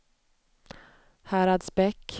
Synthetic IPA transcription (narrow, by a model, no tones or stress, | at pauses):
hæːɾad̪sbɛkː